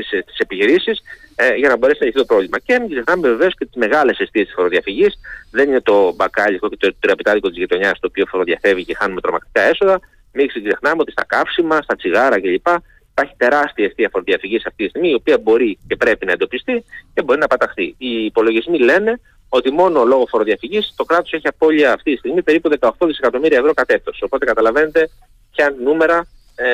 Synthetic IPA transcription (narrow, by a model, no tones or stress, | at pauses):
st̪i̥se̞piçiɾisisʝɐnɐbo̞ɾe̞sinɐeiθit̪opɾo̞vlimɐcemikzexnɐmeveve̞o̞sce̞t̪izme̞ɣɐle̞sest̪iest̪isfoɾoðiɐfiʝisðe̞nine̞t̪o̞bɐkɐʎikocet̪ot̪ɾiɐpit̪ɐðikot̪izʝit̪o̞ɲɐst̪o̞ːpio̞foɾoðiɐfe̞vice̞xɐnume̞t̪ɾo̞̰mɐk̚t̪i̥kɐe̞so̞ðɐ | mikskse̞xnɐme̞o̞t̪ist̪ɐ̰kɐfsimɐst̪ɐt͡siɣɐɾɐce̞ʎipɐ | ipɐɾçi̥t̪e̞ɾɐst̪iɐeft̪iɐfo̞ɾoðiɐfiʝiseɐft̪it̪ist̪iɣmiio̞piɐbo̞ɾice̞pɾe̞pinɐend̪opist̪icebo̞ɾinɐpɐt̪ɐxθḭiːpo̞lo̞ʝizmile̞ne̞ | o̞t̪imo̞no̞lo̞ɣo̞fo̞ɾo̞ðiɐfiʝist̪okɾɐt̪o̞se̞çiɐpo̞ʎiɐːft̪itist̪iɣmipe̞ɾipuðekɐo̞xt̪oðisekɐt̪o̞miɾiɐevɾo̞kɐt̪e̞t̪o̞so̞po̞t̪e̞kɐt̪ɐlɐvene̞t̪e̞ | pçɐnume̞ɾɐ